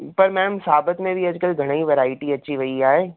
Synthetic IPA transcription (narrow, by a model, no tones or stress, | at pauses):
pɐɾmɛ̃ːnmsaːbət̪mẽbʱiɐd͡ʒkəlɡʱɐɽ̃əiʋɐɾaːɪʈiɐːt͡ɕiʋɐiaːɦeː